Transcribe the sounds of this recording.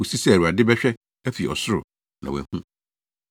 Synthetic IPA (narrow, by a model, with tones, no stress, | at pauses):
u˨si˦sɛ˦æ˨ɾu˨a˨dɪ˦bɛ˦ɕᶣɛ˦ | æ˦fi˨ɔ̰˨sʊ˦ɾʊ̰˨ | nã˨wɛ̰˨hũ˦